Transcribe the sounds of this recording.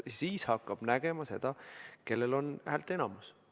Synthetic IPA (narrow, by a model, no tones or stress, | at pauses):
jsiːshɑkːˑɑb̥næɡ̥e̞mɑse̞d̪̥ɑke̞lːelo̞nhælt̪ˑe̞nɑmus